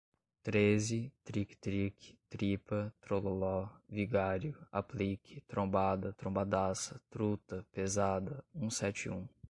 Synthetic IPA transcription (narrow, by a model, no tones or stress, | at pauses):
t̪ɾezɪt̪ɾikt̪ɾikt̪ɾipɐt̪ɾololɔviɡaɾjʊa̰plikʰɪt̪ɾõbad̪ɐt̪ɾõbad̪asɐt̪ɾut̪ɐpezad̪ɐũsɛt͡ʃɪũ